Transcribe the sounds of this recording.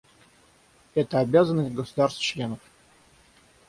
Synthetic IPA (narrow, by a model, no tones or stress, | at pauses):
ɛt̪əabʲazənːəsʲt̚ʲɡəsʊd̪arst̪t͡ɕlʲe̞nəf